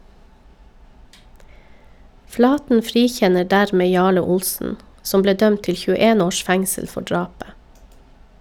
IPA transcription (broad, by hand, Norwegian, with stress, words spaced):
ˈflɑːtn̩ ˈfɾiːˌçɛnə ˈɖæɾˌmeː ˈjɑːɭə ˈʊlsn̩ ˈsɔm ˈbleː ˈdœmt ˈtɪl çʉˈeːn ˈoːʃ ˈfɛŋsəl ˈfɔ ˈɖɹɑːpə